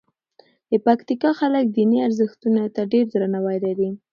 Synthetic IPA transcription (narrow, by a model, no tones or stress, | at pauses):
d̪̥əpakt̪ikɑxalək̚d̪iniaɾzəxt̪unat̪aɖeɾd̪ɾanawajlaɾi